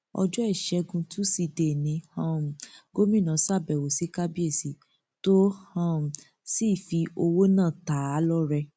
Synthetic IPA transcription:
ɔ̰˧d͡ʒɔ˦ɛ˦˨ʃɛ˨˧˦ɡũ˧tũ˦si˧˨de˨nĩ˨˧˦hã˦˨m̩˨ɡo˦mĩ˦˨nã˨˦sa˦˨bɛ˨wo˨si˨˦ka˦bi˦e˦˨si˨ | to˦hã˦˨ | si˦˨fi˧o˧wo˦nãː˦˨ta˨˦a˨˦lɔ˦ɾɛ˧

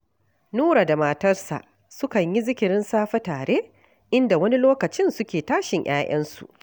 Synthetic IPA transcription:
nuː˦ɽa˨da˨maː˨tɐ˦rsa̰˨ʔ | sʊ˦kɐ˨ɲji˦zɪ˦kʲɪ˨ɾɪ˦nsaː˦ɸɐ˦taː˨ɽe˦ | ʔɪ˦nda˨wɐ˦ni˦loː˦kɐ˨t͡ʃɪ˦nsʊ˦kʲeː˨taː˦ʃɪ˨ɲjʔaː˦jʔɐ˦nsṵ˨ʔ

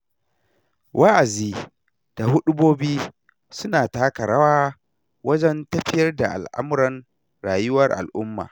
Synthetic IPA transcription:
wʔa˦ʔa˨ziː˦ | d̥a˨hʊ˦ɗʊ˦boː˦biː˦ | sʊ˦naː˨taː˦kɐ˨ɾa˦waː˦ | wɐ˦d͡ʒɛ˦ntɐ˦ɸɪ˦jɐ˦rda˨ʔa̰˨lʔa̰˦m˦ɾɐ˨n | ɽaː˨jʊ˦wɐ˦rʔa̰˨lʔʊ˦mːa̰ː˨

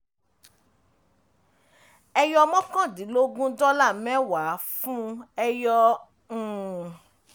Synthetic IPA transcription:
ɛ˧jɔ˧mɔ̃˦kã˦˨dĩ˨˦lo˦ɡũ˦dɔ˦la˦˨mɛ̃˦wa˨˦fũ˦ɛ˧jɔ̃˧˨

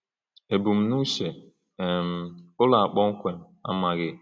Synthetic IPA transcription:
e˨bu˨m̩˨nu˦ʃe˨ | m̩˨ʊ˦la˨a˨k͡pɔ˦ŋ̩˦kʷe˨m̩˨a̰˦ma˨ɣɪ˦

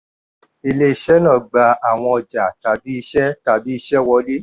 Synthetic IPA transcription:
i˧le˧i˧ʃɛ˦nãː˦˨ɡ͡ba˧˦a˨w̃ɔ̃˧ɔ˨d͡ʒa˨ta˨bi˦i˧ʃɛ˦ta˨bi˦i˧ʃɛ˦wɔ˧˦li˦

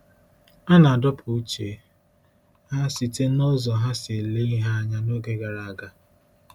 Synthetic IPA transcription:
a˦na˨a˨dɔ˦pʰʊ˨u˦t͡ʃe˨ | ha˦si˨te˦nɔ˦zɔ˨ɦa˦se˨le˦i˦ɦa˦a˦ɲa˦no˦ɡe˦ɡa˨ɾa˨a˨ɡa˨

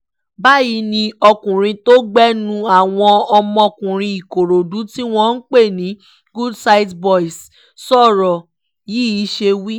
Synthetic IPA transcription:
ba˦ji˧˦nĩ˧ɔ˧kũ˨ɾ̃ĩ˧to˦ɡ͡bɛ˦nũ˦a˨w̃ɔ̃˧ɔ˧mɔ̃˧kũ˨ɾ̃ĩ˧i˨ko˨ɾo˨du˨˦ti˦w̃ɔ̃˦n̩˦k͡pe˦˨nĩ˨˦ | ɡu˦dsa˧i˦tbɔ˦i˨s | sɔ˦˨ɾɔ˨ | ji˦i˨˦ʃe˧wi˦

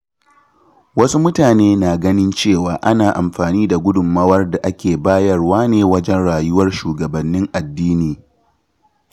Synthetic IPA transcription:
wɐ˦su˦mʊ˦taː˨neː˦naː˨ɡɐ˦nɪ˦nt͡ʃeː˦˨waː˨ʔa˦naː˨ʔa˨mɸaː˨niː˦da˨ɡʷʊ˦dʊ˨mːɐ˦wɐ˦rda˨ʔa˦kʲeː˨baː˦jɐ˦rwaː˦neː˨wɐ˦d͡ʒɛ˦nɽaː˨jʊ˦wɐ˦rʃuː˨ɡɐ˨bɐ˨nːɪ˦ŋʔa˨dːiː˦niː˨

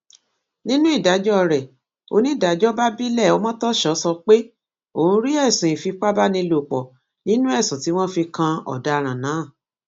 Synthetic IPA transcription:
nĩ˦nũ˦i˦˨da˨˦d͡ʒɔ˦˧ɾɛ˨ | o̰˧nĩ˦˨da˨˦d͡ʒɔ˦ba˦bi˦lɛ˦˨ɔ˦mɔ̃˦tɔ˦ʃɔ˨˦sɔ˧k͡pe˦ | o˨hũ˧ɾi˦ɛ˦˨sũ˨ĩ˨fi˧k͡pa˦ba˦nĩ˧lo˨k͡pɔ˨ | nĩ˦nũ˦ɛ˦˨sũ˨ti˨˦w̃ɔ̃˦fi˧kã˧ɔ̰˨da˨˦˧ɾ̃ã˨nã˨˦˨

